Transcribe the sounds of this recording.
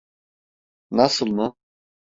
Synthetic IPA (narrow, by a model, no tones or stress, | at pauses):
nasɯlˠmʊ